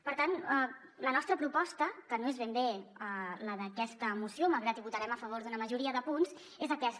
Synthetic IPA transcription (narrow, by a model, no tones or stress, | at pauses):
pəɾt̪anə | lənɔst̪ɾəpɾupɔst̪əkənoezβembeələðəkɛst̪əmusjomalˠɣɾat̪iβut̪əɾɛməfəβ̞oɾðunəməʒuɾiəðəpunz | ezəkɛs